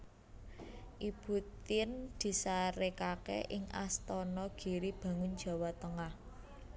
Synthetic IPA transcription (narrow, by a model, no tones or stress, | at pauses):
ʔib̥ṳt̪ɪnd̪̥i̤saɾekakɛ̰ʔɪŋʔa̰st̪ɔnɔɡ̥i̤ɾib̥ä̤ŋʊn̥d͡ʒ̥a̤wat̪əŋah